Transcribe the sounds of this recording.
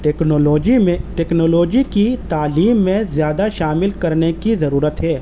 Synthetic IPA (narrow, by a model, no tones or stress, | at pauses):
ʈːknːloːd͡ʒimẽʈeːknoːloːd͡ʒikit̪aːliːmːẽzjaːd̪aʃaːmɪlkɐɾnekizɐɾuːɾət̪ɦɛː